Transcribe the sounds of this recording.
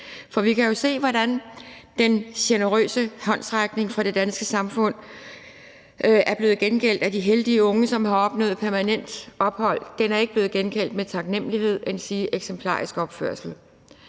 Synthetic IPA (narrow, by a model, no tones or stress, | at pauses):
fɒ̽ʋikʰæjo̝se̝̰ːʋɒdænd̥enɕenəʁø̰ːsəhɒ̽nsʁaɡ̥ne̝ŋfʁɑ̈d̥e̝d̥ænsɡ̥əsɑ̈mfɔ̽n̰ | ʔæɐb̥le̝ːð̩ˠɡ̥enkʰel̰d̥æd̥iɦeld̥iəɔ̽ŋəsɒ̽mhɑ̈ɒ̽b̥nɔ̰̽ːð̩ˠpʰæɐmænen̰d̥ʔɒ̽b̥hɒ̽l̰d̥enæɐe̝ɡ̥əb̥le̝ːð̩ˠɡ̥enkʰæl̰d̥met͡sʰɑ̈ɡ̥nem̰əlihe̝ð̞̰ˠensiːʔeɡ̥sempʰl̥ɑ̰̈ːʁisɡ̥ɒ̽b̥føɐ̰sl̩